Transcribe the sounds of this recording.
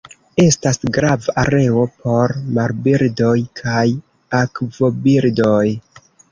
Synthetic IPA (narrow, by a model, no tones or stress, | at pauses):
e̞stasɡɾavaʔaɾe̞o̞pʰo̞ɾmaɾbiɾdo̞jkʰaj | akvo̞biɾdo̞j